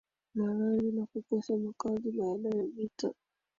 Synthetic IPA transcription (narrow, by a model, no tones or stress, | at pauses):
maɾaɾinakukɔsamakaziɓaːɗajavita